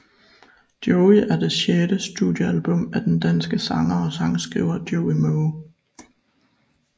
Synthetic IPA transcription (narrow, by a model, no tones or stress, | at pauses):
d̥joʊiʔæɐd̥e̝ɕjed̥əsd̥udˠjəælb̥ɔ̽m̰æd̥end̥ænsɡ̥əsɑ̈ŋɐɒ̽sɑ̈ŋsɡ̥ʁḭʊ̰ɐd̥joʊimoʊ